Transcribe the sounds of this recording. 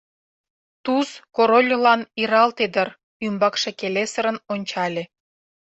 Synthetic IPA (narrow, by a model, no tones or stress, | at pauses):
t̪uskoɾolʲlɑniɾɑlt̪ed̪ər | ymbɑkʃekelesə̆ɾə̆nonʲt͡ɕɑlʲe